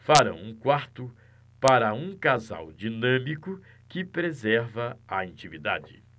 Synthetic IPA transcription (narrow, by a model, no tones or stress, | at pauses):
faɾɐ̰̃w̃ũkwaɾt̪ʊ | paɾɐũkaza̰wd͡ʒinɐ̃mikʊ | kɪpɾezɛɾvɐɐɐ̃nt͡ʃimid̪a̰d͡ʒɪ̰